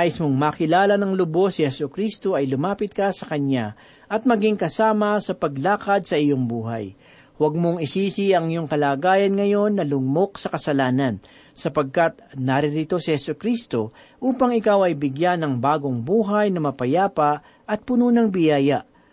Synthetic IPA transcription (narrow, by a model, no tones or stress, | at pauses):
aʔɪsmoŋmaːkɪlaːlɐnɐŋlʊbo̞sɪhɛsʊkɾist̪o̞ɐjlʊmaːpɪt̪̚kɐsɐkɐɲa | ʔɐt̪̚mɐɡiŋkɐsaːmɐsɐpɐɡlaːkɐd̪̚sɐʔɪjoŋbuːɦa̰j | wɐɡ̚moŋɪsiːsiɐŋjoŋkɐlaːɡaːjɐnŋɐjo̞nːɐlʊŋmo̞k̚sɐkɐsɐlaːnɐn | sɐpɐɡ̚kat̪̚nɐɾɪɾɪt̪o̞sɪhɛsʊkɾist̪o̞ | ʔuːpɐŋɪkawɐjbɪɡjanɐŋbaːɡo̞ŋbuːɦajnɐmɐpɐjaːpɐ | ʔɐt̪̚pʊnuːnɐŋbɪjaːjaʔ